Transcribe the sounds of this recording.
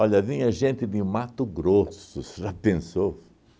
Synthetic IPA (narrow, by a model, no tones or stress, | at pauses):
ɔʎɐvĩɲɐʒẽnt̪ɪd̪ɪmat̪ʊɡɾosʊsʒapẽso